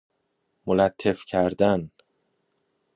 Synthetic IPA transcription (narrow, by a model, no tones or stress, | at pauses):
molæt̪ʰːe̞fcʰæɾd̪æn